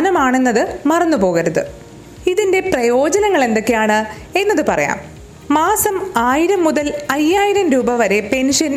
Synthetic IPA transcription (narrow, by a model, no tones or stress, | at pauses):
nɐmaːɳe̞nːɐðɨmɐrɐnːupo̞ːɣɐɾɐðɨ | iðinde̞prɐjo̞ːd͡ʑɐnɐŋːɐɭe̞nd̪o̞kːejaːɳɨ | e̞nːɐðɨpɐrɐja̰ːm | maːsɐmaːjiɾɐmːuðɐlɐjːaːjiɾɐmɾuːbɐʋɐɾe̞pe̞nʂɐn